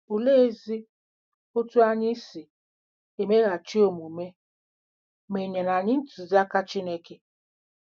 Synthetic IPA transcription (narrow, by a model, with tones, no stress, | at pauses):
o˨le˦e˦zi˦ | o˦tu˦a˦ɲɪ˦si˨ | e˨me˦ɣa˨t͡ʃi˦o˨mu˨me˦ | me˨ɲe˨na˨ɲɪ˦n̩˦tu˨za˦ka˦t͡ʃi˦ne˦ke˨